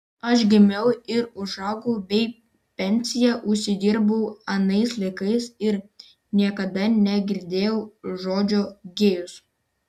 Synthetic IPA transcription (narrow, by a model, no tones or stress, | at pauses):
ɐʃɡʲɪmʲɛʊɪɾʊʒɑːɡɐʊbʲɛɪ | pʲɛnʲsʲɪjɛʔʊʃʲsʲɪd̪ʲiːɾbɐʊɐnɐɪslˠɐɪkɐɪsɪɾ | nʲiɛkɐd̪ɐnʲɛɡʲɪɾʲd̪ʲeːjɛʊʒoːd͡ʒʲoːɡʲeːjʊs